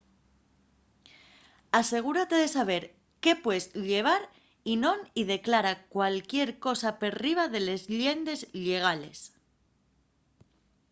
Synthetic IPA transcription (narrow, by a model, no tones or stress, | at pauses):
ase̞ɣ̞uɾat̪e̞ð̞esaβ̞e̞ɾ | ke̞pwe̞sʎe̞β̞aɾ | inõ̞niðe̞klaɾakwalkje̞ɾko̞sapeɾriβaðe̞le̞zʎje̞nd̪e̞zʎe̞ɣ̞ale̞̰s